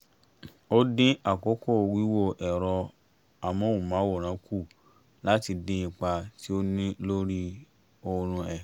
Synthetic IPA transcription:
o˦dĩ˦a˦˨ko˨˦ko˦˨˧wi˦wo˦˨ʔɛ˨ɾɔ˧ | a˨mɔ̃˨˦u˨mã˨˦wo˦˨ɾ̃ã˨˦ku˦˨ | la˦ti˧dĩ˦ĩ˧k͡pa˧ti˦o˦nĩ˦lo˦ɾi˦ | o˧ɾ̃ũ˧ɛ˨

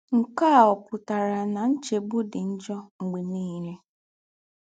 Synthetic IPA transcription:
ŋ̩˨ka˦˨ɔ˨kʷʊ˨ta˨ɾa˨na˨n̩˦t͡ʃe˨bʊ˦dɪ˨n̩˦d͡ʒɔ˦ŋ͡m̩˨ɡ͡bi˨niː˦ɾe˦

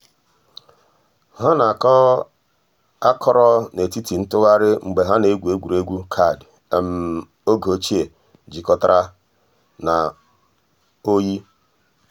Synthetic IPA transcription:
ɦa˦na˨kɔ˦ | a˦kʰɔ˦ɾɔ˦ne˨ti˦ti˨n̩˦tʊ˦ɣa˦ɾɪ˦ŋ͡m̩˨ɡ͡be˨ɦa˦ne˨˦ɡʷu˨e˦ɡʷu˨ɾe˦ɡʷu˦kʰa˦˨d | m̩˦ | o˦ɡo˨˦t͡ʃi˦e˨ | d͡ʒi˨kɔ˨ta˦ɾa˦ | na˨ | o˦ji˦

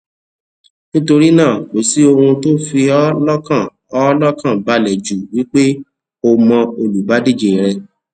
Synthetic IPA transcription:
nĩ˦to˧ɾi˦nãː˦˨k͡po˨si˨˦o˧hũ˧to˦fi˧ɔ˦lɔ˦kã˦˨ | ɔ˦lɔ˦kã˦˨ba˨˧lɛ˨d͡ʒu˨wi˦k͡pe˦ | o˧mɔ̃˧o˧lu˨ba˨˦di˦˨d͡ʒe˨ɾɛ˧

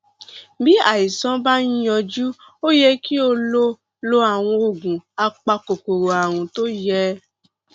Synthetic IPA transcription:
bi˦a̰˦˨i˨sã˦ba˦nĩ˦jɔ˧d͡ʒu˦ | o˦jɛ˦˧ki˦o˧lo˦ | lo˧a˨w̃ɔ̃˧o˨ɡũ˨a˧k͡pa˧ko˨ko˨ɾo˨a˨w̃ũ˧to˦jɛ˧˦

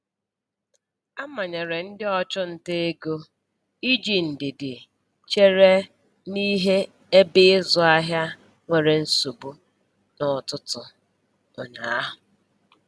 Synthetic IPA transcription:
a˦ma˨ɲa˨ɾe˨n̩˦dɪ˦ɔ˦t͡ʃʊ˦n̩˨te˦e˦ɡo˦ | i˦d͡ʒi˨n̩˨dɪ˨dɪ˨ | t͡ʃe˦ɾe˦ | ni˦ɦe˦ | e˦bɪ˦ɪ˦zʊ˨a˦ɦja˦ | ŋʷe˨ɾe˨n̩˦su˨bu˦ | nɔ˨tʊ˦tʊ˨ | ʊ˨na˨a˦ɦʊ˨

